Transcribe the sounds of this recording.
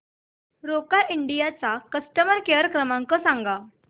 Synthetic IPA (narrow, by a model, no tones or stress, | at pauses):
ɾokaʔiɳɖijat͡sakəsʈəməɾkeɾəkɾəmaŋkɔsaŋɡa